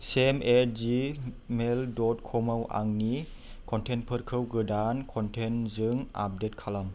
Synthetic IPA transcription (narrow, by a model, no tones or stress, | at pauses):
simeɾd͡ʒi | meldɔtkʰɔmawʔa̰ŋni | kʰɔntʰenpʰɯɾkʰɯwɡɯdankʰɔntʰenzɯŋa̰p̚det̚kʰalam